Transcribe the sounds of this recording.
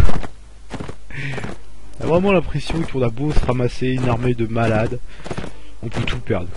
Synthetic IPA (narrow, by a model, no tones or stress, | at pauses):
na̰vʁɛmɑ̃lɛ̃pχesjɔ̃kɔ̃nabosʁamaseynaʁmed̪əmalad̪ | ɔ̃pʰøt̪ʰupɛʁd̪ʁ